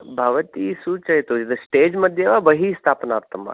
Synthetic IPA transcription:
bʱaʋət̪isut͡ʃɐit̪od͡ʒid̪ɐsʈeːd͡ʒmɐd̪ʱjeʋabəɦist̪ʰaːpnaːpt̪ɐma̰

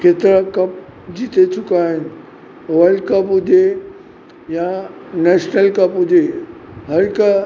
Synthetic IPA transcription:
kʰeːt̪ɪɾãkɐp̚d͡ʑiːt̪et͡ɕʊkaːɦɪnɪ̆ | oːəlkɐpɦʊd͡ʑe | janɛːʃnəlkɐpɦʊd͡ʑeɦɐɾɪk

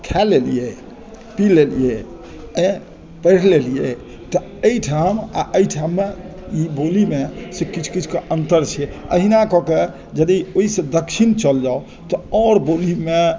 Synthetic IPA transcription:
kʰɛlelḭje | pilelḭje | ẽ | pəɽlelije | t̪ɔ | əjʈʰama̰ʔəjʈʰamːe | ibolimesekit͡ʃʰu̥kit͡ʃʰu̥keʔənt̪əɾt͡ʃʰiɛə̰ɦinakɔke | d͡ʒəd̪ioisẽd̪əkʃʰint͡ʃəld͡ʒao | t̪ɔɔɾbolime

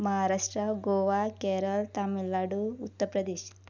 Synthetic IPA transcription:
mɐɦaɾaːʂʈɾɐɡoːʋakeɾəlt̪amilːaɽuut̪ːəɾpɾɐd̪eːʃ

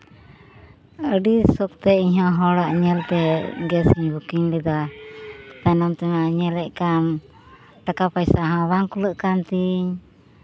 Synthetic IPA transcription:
əɖisɔk̚t̪ɛiɲɦãɦɔɽaʔɲɛlt̪ɛɡɛsiɲbukiɲlɛd̪a | p̪anamt̪ɛnaɲɛlɛʔkam | ʈakapajsaɦãbaŋkuləʔkant̪iɲ

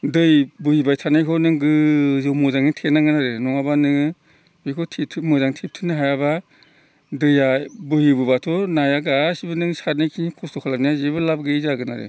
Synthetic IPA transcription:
dɯjbɯhibajtʰanajkʰɔnɯŋɡɯzɯwmɔzaŋitʰenaŋɡɯnaɾɯnɔŋabanɯŋ | bikʰɔtʰetʰɯmɔzaŋtʰep̚tʰɯnɯɦajaba | dɯjabɯhibɯbatʰɔnajaɡasibɯnɯŋsaɾnajkʰinikʰɔstʰɔkʰalanijazebɯlab̚ɡɯizaɡɯnaɾḛ

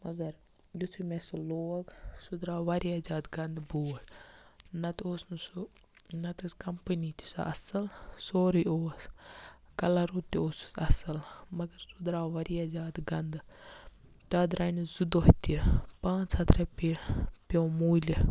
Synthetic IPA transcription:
mɐɡɐɾ | jut̪ʰumesɐloːɡsud̪ɾaːʋɐɾijazaːd̪ɡɐnd̪buːl | nɐt̪oːsnusu | nɐt̪uskɐmpənit̪i̥sa̰ʔɐsɐlsoːɾioːs | kɐlaɾuːt̪ːioːsu̥sɐsɐlmɐɡɐɾsud̪ɾaːʋɐɾijad͡ʒaːd̪ɡɐnd̪ | t̪aːd̪ɾaːnzud̪oɦit̪ipãːt͡ʃhɐt̪ʰɾɐpipomuːlʲi

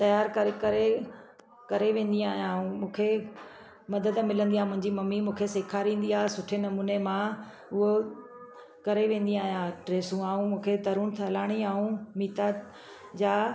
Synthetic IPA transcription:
t̪ɐjaːɾkɐɾekɐɾe | kɐɾeʋẽːn̆d̪iaːɦijaːɦũmũːkʰe | mɐd̪əd̪mɪlə̃nd̪iaːmʊ̃ɦɪ̃ɲd͡ʑimɐmːimũːkʰeseːkʰaːɾĩːn̆d̪iaːsʊʈʰenɐmuːnemã | ʊɦo | kɐɾeʋẽːn̆d̪iaːɦijãʈɾeːsũaːɦũmũːkʰed̪ɐɾuːɽ̃t̪ʰɦɐlaːɽ̃iaːɦũmiːt̪a | d͡ʑaː

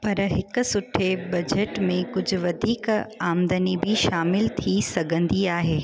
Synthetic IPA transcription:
pɐɾɦɪkʊ̆sʊʈʰebɐd͡ʑʱeʈmẽkʊd͡ʑʱʊ̆ʋɐd̪ʱiːkaːmd̪ənibʱɪʃaːmɪlt̪ʰisɐɡʱə̃nd̪iaːɦeː

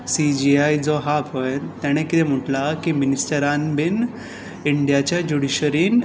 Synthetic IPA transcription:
sid͡ʑiajd͡zɔɦapɦojt̪jaɽ̃ẽkit̪em̤əʈlakiminisʈəɾanbin | iɳɖijat͡ɕjad͡ʑuɽiɕəɾiːn

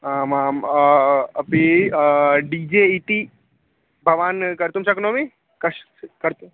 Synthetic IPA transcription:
aːmaːm | ɐpi | ɖiːd͡ʒeːiʈi | bʱɐʋaːnkɐɾt̪umʃɐknõːmẽ | kɐʃ | kɐɾt̪u

